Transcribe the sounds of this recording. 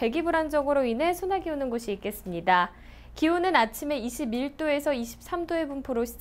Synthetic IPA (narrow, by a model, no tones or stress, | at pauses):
e̞ɡibuɾand͡ʑʌɡɯɾoinɦe̞sʰonɦaɡiunɯnɡoɕʰiːk͈e̞s͈ɯmɲida | kiunɯnat͡ɕʰime̞iɕʰibiɭt͈oe̞sʰʌiɕʰi̥p̚s͈amdoe̞bunpʰoɾoɕʰi̥d͡ʑ